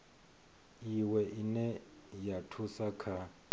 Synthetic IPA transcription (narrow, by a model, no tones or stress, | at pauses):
iwɛʔinɛjatʰusakʰa